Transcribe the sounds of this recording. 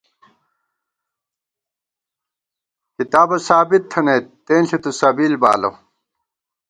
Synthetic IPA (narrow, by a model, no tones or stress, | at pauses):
kit̪aːbɐsaːbit̪ʰːɐnet̪ːeːnɬit̪usɐbiːlba̰ːlɐ̰w